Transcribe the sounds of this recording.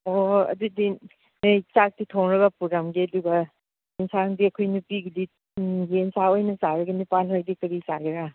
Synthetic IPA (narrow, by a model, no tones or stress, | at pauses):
oɐ̰dudi | nejt͡ʃak̚titʰoŋɾɐɡɐpuɾamɡiɐduɡɐ | insaŋdiɐkʰojnupiɡidi | jensaojnɐsaɾɐɡɐnipanɦojdikɐɾisaɡiɾa